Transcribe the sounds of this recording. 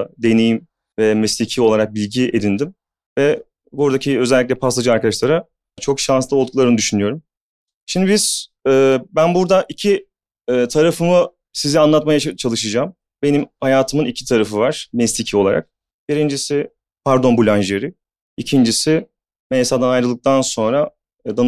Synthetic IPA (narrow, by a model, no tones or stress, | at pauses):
d̪e̞nejim | vɛmɛslʲicʰio̞lˠaɾak̚bilʲɟied̪ind̪im | vɛ | buɾd̪acʰiø̞zɛlʲiclʲɛpʰasad͡ʒɯaɾkad̪aʃlˠaɾa | t͡ʃʰo̞kʃanslˠɯɡʰulˠaɾɯnɯd̪yʃynyjo̞ɾum | ʃimd̪ibiz̥ɛːbænbuɾd̪aʔicʰiː | t̪ʰaɾafɯmɯ | sizianlˠat̪majat͡ʃʰalˠɯʃɯd͡ʒaːm | be̞nimhajaːt̪ʰɯmɯnicʰi̥t̪ʰaɾafɯvaɾ̥mɛslʲicʰio̞lˠaɾʔa̰k̚ | biɾind͡ʒisɪ | pʰaɾd̪o̞nbulʲanʒeɾɪ | icʰind͡ʒisɪ | mɛjsad̪anajɾɯlˠɯk̚t̪ʰanso̞nɾa | d̪an